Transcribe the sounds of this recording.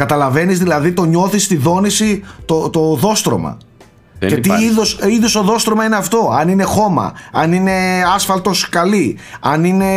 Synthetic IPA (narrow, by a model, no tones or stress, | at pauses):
kɐt̪ɐlɐve̞nizðilɐðit̪o̞ɲo̞θist̪iðo̞nisit̪ot̪oðo̞st̪ɾo̞̰mɐ̰ | cet̪iiðosiðoso̞ðo̞st̪ɾomɐineɐft̪o̞ɐnine̞xo̞mɐ̰ɐnine̞ɐsfɐlt̪o̞skɐliɐnine̞